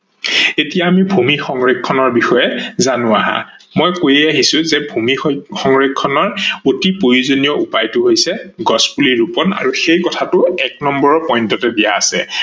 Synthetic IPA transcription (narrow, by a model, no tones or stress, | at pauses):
etijaːmibʱumixɔŋɹekʰːɔnɔɹbixɔjɛzanʊaɦa̰ | mojkojejaɦisʊ̃zɛbʱumixɔŋɹekʰːɔnɔɹotipojuzonijɔupajtʊɦojsɛɡɔspuliɹupɔna̰ɹuxejkɔtʰatʊɛk̚nɔmbɔɹɔpɔjntɔtɛdija̰ːsɛ̰